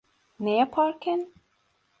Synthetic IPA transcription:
nepʰɑɾkən

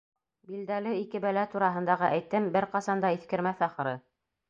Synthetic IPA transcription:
bild̪ælɘikɘbælæt̪uɾɑɦɤ̆nd̪ɑʁɤʔæjt̪ɘmbɘɾqɑsɑnd̪ɑiθkɘ̆ɾmæθɑqɤ̆ɾɤ

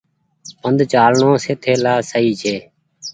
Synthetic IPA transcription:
pənd̪t͡ʃaːlɳõːseːt̪ʰeːlaːsəiːt͡ʃʰeː

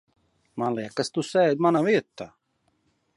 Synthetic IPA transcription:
manliɛkːast̪usɛjd̪̚manaʋiət̪ːa

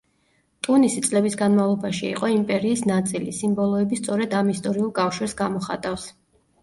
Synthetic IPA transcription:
t̪ʼunisit̪sʼlɛbisɡanmavlˠɔbaʃiḭqʼɔimpʼɛɾiːsnat̪sʼilisimbɔlˠɔɛbist̪sʼɔɾɛd̪amist̪ʼɔɾiulˠkʼafʃwɛsɡamɔχa̰t̪ʼafs

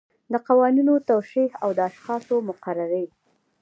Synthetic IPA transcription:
d̪əqawɑninot̪awʃihawd̪əaʃxɑsomʊqaɾaɾəj

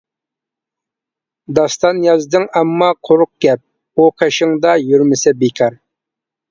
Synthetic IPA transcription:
d̪ɑst̪ɑnjɑzd̪ɨŋɛmːɑqʰoɾʊq̚ɡʲɛp̚ | uqʰeʃɪŋd̪ɑjyɾmɪsɪbekʲʰɑɾ

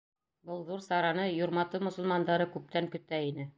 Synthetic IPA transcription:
bɤlˠðuɾsɑɾɑnɤjoɾmɑt̪ɤmŏsŏlˠmɑnd̪ɑɾɤkʉp̚t̪æŋkɵ̆t̪æinɘ

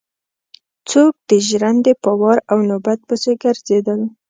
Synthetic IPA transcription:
t͡sok̚d̪əʒɾand̪epəwɑɾawnobat̪̚pəseɡaɾzed̪əl

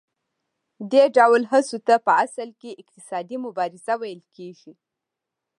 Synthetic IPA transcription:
d̪eɖawəlɦəsot̪apəasalkeɪq̚t̪ɪsɑd̪imʊbɑɾɪz̥awajəlkeʒi

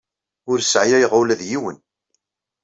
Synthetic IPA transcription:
ʊɾsʕjæjʁʊlæðjiwən

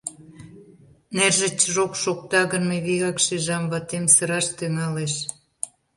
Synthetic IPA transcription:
nerʒĕt͡ɕəʒokʃok̚t̪ɑɣənmeβiɣɑkʃiʒɑmβɑt̪emsəɾɑʃt̪yŋɑleʃ

